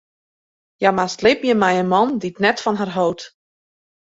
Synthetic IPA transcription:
jamastlɪpjəmɛjənmɔnditnɛtfɔnɦarɦowt

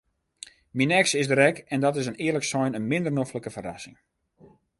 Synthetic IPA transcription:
minɛksɪsdəɾɛkɛndɔtɪsənɪːələksɔjnənmɪndərnofləkəfəra̰sɪ̰ŋ

